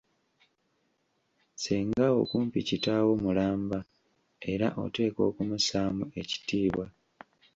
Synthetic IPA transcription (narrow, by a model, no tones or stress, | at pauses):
seːŋɡao̞̰kuːmpicitawo̞mulaːmba | e̞ɾaʔo̞̰te̞ːko̞̰ːkumusaːmue̞ci̥tiːβwa